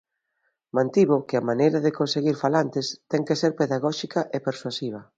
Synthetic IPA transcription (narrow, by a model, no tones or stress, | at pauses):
mãnt̪iβʊkɪamanejɾɐðɪkonseɣiɾfalant̪ɪst̪ɛŋkeseɾpeðaɣɔʃikɐʔepeɾswasiβ̞ɐ